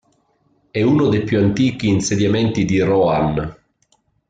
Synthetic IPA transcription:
ɛunod̪ejpjuant̪iːk̟iːnsed̪jament̪id̪irɔan

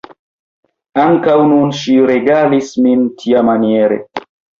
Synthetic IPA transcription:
aŋkawnunʃiɾeɡalismintʰiamanieɾḛ

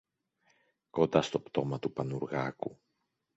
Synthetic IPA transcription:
ko̞nd̪ɐst̪o̞pt̪o̞mɐt̪upɐnuɾɣɐku

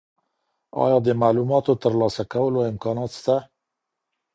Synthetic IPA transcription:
ɑ̰jɑd̪əmalumɑt̪ot̪əɾlɑsakawəloɪmkɑnɑt̪st̪a

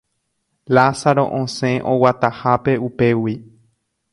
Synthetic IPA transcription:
lasaɾo̞ʔõsẽ̞ʔõwat̪ahape̞upe̞wi

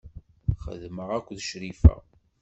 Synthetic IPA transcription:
χə̰ðməʁækʷːðʃɾifæ̰

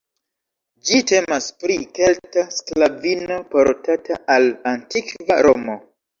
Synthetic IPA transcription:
d͡ʒite̞maspɾike̞ltasklavino̞po̞ɾtataʔalantikva̰ɾo̞mo̞

